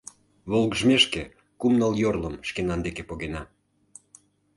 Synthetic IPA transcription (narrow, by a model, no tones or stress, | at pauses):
βolˠɣəʒmeʃke | kumnəljorləmʃkenɑnd̪ekepoɣenɑ